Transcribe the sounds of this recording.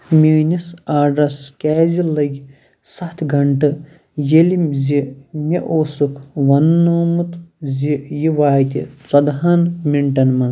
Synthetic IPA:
mʲiːnisaːɖɾɐskʲaːzilɐɡʲ | sɐt̪ʰɡʱɐɳʈɨ | jelimzimʲeʔoːsukʰʋɐnːoːmut̪zijiʋaːjt̪ʲḭt͡sɐd̪ɦanmiɳʈɐnmɐ

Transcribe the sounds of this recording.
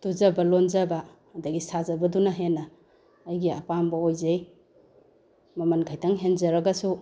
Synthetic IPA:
tuzɐbɐlonzɐbaː | dɐɡisazɐbɐdunaɦenːɐː | jɡiɐ̰pambɐojzej | mɐmɐnkʰajtaŋɦenzɐɾɐɡɐsu

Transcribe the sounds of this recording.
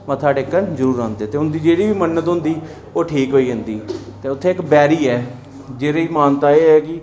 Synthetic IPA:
mə̃t̪ʰaːɖeːkːənzəɾuːɾãːnd̪eːt̪eːɦʊ̃nd̪iːd͡ʒeːɽiːʋiːmənːət̪ɦʊ̃nd̪iː | oːʈʰiːkɦoːiːɦʊnd̪iːt̪eːʊt̪ʰːẽːɪkbɛːɾiːɛː | d͡ʒeːɾeimaːnt̪aːeːɦɛːkɪ

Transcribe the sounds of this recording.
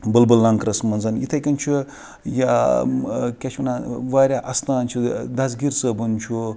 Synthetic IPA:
bɨlbɨlːɐŋkɾɐsmɐnzɐnjḭt̪ʰɐkʲɐnʲt͡ʃʰu | ja | kʲɐt͡ʃʰɐnaʋaːɾʲaːʔɐst̪aːnt͡ʃʰud̪ɐs̬ɡʲiɾsəbunt͡ʃʰu

